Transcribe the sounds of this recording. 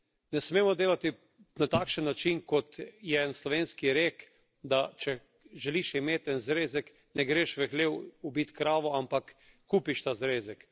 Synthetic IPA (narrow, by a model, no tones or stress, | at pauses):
nɛsmeːmɔd̪eːlat̪i | nat̪aːkʃənːat͡ʃinkɔt̪jɛɛnslɔʋeːnskiɾeːk | d̪at͡ʃɛ | ʒɛliʃimeːt̪ɛnzɾeːzɛk | nɛɡɾeːʃʋɛxleːwubit̪kɾaːʋɔampakː | uːpiʃt̪aːzɾeːzɛk